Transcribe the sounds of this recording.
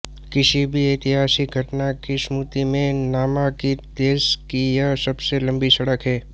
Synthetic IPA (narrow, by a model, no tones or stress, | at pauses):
kɪʃibʱieːt̪ɪɦaːsik̚ɡʱɐʈnakismuːt̪imẽnaːmakit̪eːskijasɐbselɐ̃mbisɐɽəkɦɛː